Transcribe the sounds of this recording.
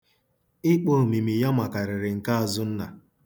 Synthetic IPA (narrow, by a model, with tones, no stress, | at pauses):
ɪ˦k͡po˦˨mi˨mi˨ja˦ma˨ka˨ɾɪ˨ɾɪ˨ŋ̩˨ka˦a˨zʊ˦n̩˦na˨